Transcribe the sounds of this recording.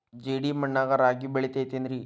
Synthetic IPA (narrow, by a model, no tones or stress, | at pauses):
d͡ʑeɽiːməɳːaɡaɾaɡiːbeɭet̪et̪end̪ɾiː